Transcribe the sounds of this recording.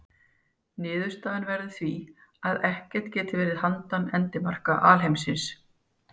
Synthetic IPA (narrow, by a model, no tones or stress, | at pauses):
nɪːðʏst̪aːðɪnvɛɾðɪθviaðɛhcɛr̥t̪cɛːt̪ɪvɛːɾɪðhant̪anɛnt̪ɪmar̥kaʔaːlɦejmsɪns